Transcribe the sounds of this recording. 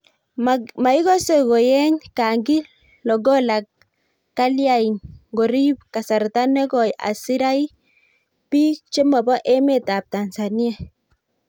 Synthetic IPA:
ma˨i˦ɡɔ˦se˨ɡɔ˨jɛ˦ɲka˨ŋɡi˦ | lɔ˨ɡɔ˦la˨kː | a˦lja˦i˨nɡo˨ɾi˦p̚ka˨sa˨ɾta˦nɛ˦ɡɔ˨ja̰˨si˦ɾa˦j | pi˦t͡ʃe˦ma˨bɔ˦ʔɛ˦me˨ta˨p̚ta˨nsa˨ni˦a˨

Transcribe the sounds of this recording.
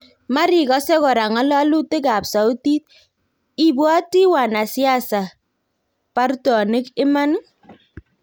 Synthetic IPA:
ma˦ɾi˨kɔ˦sɛ˦kɔ˨ɾa˨ŋa˦lɔ˦lu˦te˦ka˨psa˨u˦ti˦t̚ | i˨bwɔ˦ti˦wa˨na˨sja˦˨sa˨ | pa˦ɾtɔ˨nɪ˦kɪ˦ma˦n˦

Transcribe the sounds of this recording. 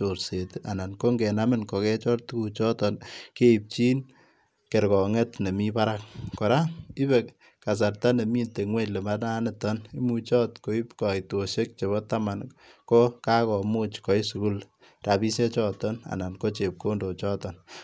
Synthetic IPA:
t͡ʃo˨ɾse˨tʔa˨na˨nko˦ŋɡɛ˨namɪ˦nkɔ˨kɛ˦t͡ʃɔ˦rtu˦ku˨t͡ʃɔ˦tɔ˨nke˦i˨p̚t͡ʃiː˦n | ke˨ɾkɔ˨ŋɛ˦tne˨mi˦pa˦ɾa˦k̚kɔ˨ɾa˦i˦bɛk | ka˨s̬a˨rta˦ne˨mi˦nte˨ŋwe˦ɲle˨ma˦na˦nɪ˨tɔ˦ni˦mut͡ʃɔ˦tko˨i˦pkɔ˨ito˨ʃe˦k̚t͡ʃe˨βɔ˦ta˦ma˨nko˦ka˦kɔ˨mu˦t͡ʃkɔ˨i˦su˨ku˦l | ra˨bi˦se˦t͡ʃɔ˦tɔ˦na̰˨na˨nko˦t͡ʃe˨p̚ko˦ndo˨t͡ʃɔ˦tɔ˨n

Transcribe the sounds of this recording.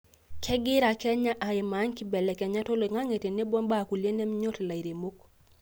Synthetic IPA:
kʰɛ˦ɡɪ˦ɾa˨kɛ˦ɲa˦ʔa˨ɪ˨ma˨˦ŋki˦bɛ˨lɛ˨kɛ˨ɲa˦to˦lo˨ŋa˦ŋe˨te˨ne˦bwɔ˦mba˦˨ku˨lje˦nɛ˦mɲo˦tla˨i˨ɾe˨mo˦k̚

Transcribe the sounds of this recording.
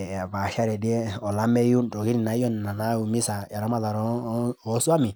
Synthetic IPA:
a˨ba˨ʃa˦ɾɛ˨di˦ɛ˦ɔ˨la˨˦mɛ˦ju˦˨dɔ˨ɡi˦ɾi˨na˨˦ɔ˦n˨na˨na˦u˨mi˦sa˨ja˨ɾɔ˨˦ma˦ða˨ɾɔ˦ɔ˨˦su˦a˦mi˨

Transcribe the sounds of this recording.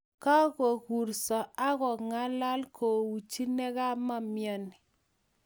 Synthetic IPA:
ka˦ɣo˨ku˨ɾsɔ˨a˦ɣɔ˨ŋa˦la˦lkʰo˨wu˨t͡ʃi˦nɛ˦ɣa˦ma˦mjɔ˦˨ni˨

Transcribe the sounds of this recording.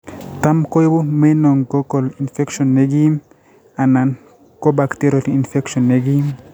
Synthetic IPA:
ta˦mko˦jbu˦me˦no˨ŋɡo˦ko˨li˨nfe˦kʃɔ˨nːe˦ɡi˦m | a˨na˨n | ko˦ba˨kte˦ɾjo˨ti˨i˨nfe˦kʃo˨nːe˦ɡi˦m

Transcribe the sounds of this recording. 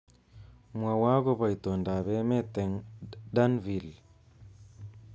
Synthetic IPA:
mwa˨wa˦ɣo˦βa˨i˨to˨nda˨βɛ˦me˦te˨ŋda˦nvi˨l

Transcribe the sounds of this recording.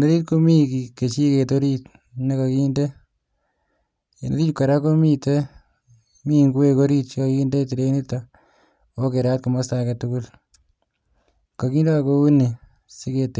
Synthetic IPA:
ne˦ɾi˦t̚ko˦mi˦ki˨ke˨t͡ʃi˦ke˨toɾit | neka˨kinde | eneɾi˦t͡ʃika˨ɾa˦ko˦mite | mi˦ŋɡu˦wekoɾitt͡ʃika˨kinde˦t̬i˨ɾeni˦ta | o˦ke˨ɾat̚kuma˦stake˨tuku˦l | ka˨kiː˦ndo˦akou˦ni | si˦ke˧t

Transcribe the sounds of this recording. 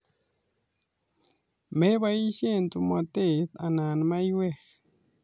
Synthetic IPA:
me˦βa˧ji˦ʃe˦˨nt̪u˧ma˧˨t̪e˦˨t̪a˨na˨nma˦jwe˦x

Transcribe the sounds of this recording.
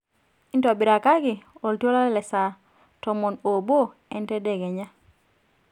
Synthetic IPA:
ɪ˦ntɔ˨bɪ˨ɾa˨ka˦ɡɪ˨o˨lto˦la˦lɛ˦lɛ˨sa˨ | tɔ˨mo˨no˨bo˦ | ɛ˦ntɛ˦dɛ˨ɡɛ˨ɲa˦

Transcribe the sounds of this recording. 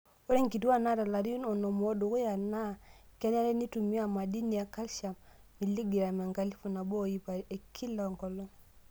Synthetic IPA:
o˦ɾɛ˦ŋki˨tu˦a˦na˦˨ta˨la˨ɾi˦u˦nɔ˨nɔ˨m˨ɔ˦du˨ku˦ja˨na˦˨kɛ˦na˦ɾɛ˦ni˦tu˨mi˦a˦˨ma˨di˦ni˨a˨ka˦lʃa˨m | mi˨li˦ɡi˨ɾa˨mɛ˨ŋka˨li˦fu˨na˨bɔ˦˨i˦pa˨e˨kʰi˦lɔ˨ŋkɔ˨lɔ˦

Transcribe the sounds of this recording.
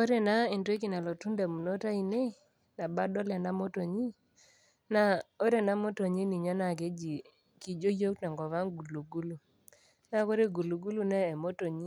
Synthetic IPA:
o˦ɾe˨na˦i˨nto˦k̬i˨na˨lo˨tu˦nda˨mu˨no˦ta˦i˨ne˦ | na˨ba˦dɔ˦lɛ˨na˦mo˦to˨ɲi˦ | na˦o˦ɾe˨na˦mo˦to˨ɲi˦ni˨ɲɔ˦na˨ke˦d͡ʒi˨ | ki˨d͡ʒo˦jo˦kna˨ŋɡɔ˨βa˦ŋɡu˨lu˨ɡu˦lu˨ | na˦ko˦ɾe˦ɡu˨lu˨ɡu˦lu˦nɛː˦˨mo˦to˨ɲi˦

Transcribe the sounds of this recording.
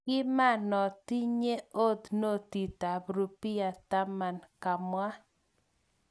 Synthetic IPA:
kɪ˦ma˦˨nɔ˨ti˦ɲe˦o˦t̪no˦t̪i˨t̪a˨bɾu˨pi˦a˨t̪a˦ma˨nka˨mwa˦

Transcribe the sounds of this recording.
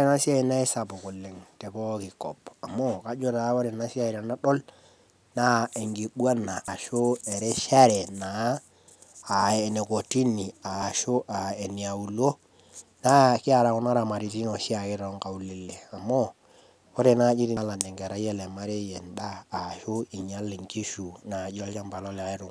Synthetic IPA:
ɾe˦na˦si˦a˦i˨na˦i˦sa˨pʊ˨kʊ˨lːe˨ŋte˨pɔ˦kɪ˨kɔ˨pa˨mo˦ka˦d͡ʒo˦ta˨˦o˦ɾe˨na˦si˦a˦i˨ɾa˨na˦ɗɔ˦l | na˦e˨ŋɡi˨ɓwa˦na˨ʔːʃo˦e˨ɾɛ˦ʃa˦ɾɛ˨na˨˦˨ | e˨ne˨ko˨ti˦ni˨a˨ʃo˦ʔa˨e˨ni˨a˨u˨lo˦ | na˦kɪ˦a˨ɾa˨kʊ˦na˦ɾa˨ma˨ɾi˨ti˦no˨ʃi˦a˨kɪ˦ɾɔ˨ŋka˨u˨le˨le˨a˨mo˦ | o˦ɾe˨na˦d͡ʒi˦ɾi˦la˨nɛ˨ŋɡɛ˨ɾa˦e˦le˨ma˦ɾe˦jɛ˨ndaː˦˨ʃo˦i˨ɲa˦li˨ŋki˦ʃu˨na˨d͡ʒo˦lt͡ʃa˦mba˨lɔ˦la˨i˦ɾʊ˨ŋ

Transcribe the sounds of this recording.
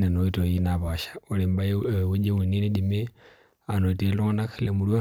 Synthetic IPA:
ne˨no˨ito˨jinaβaʃḁo˨li˨mba˦jwu˦d͡ʒe˦wu˨ni˦ne˦dime˦ | a˨note˨lo˦ŋ˦na˦kʰilemulwa

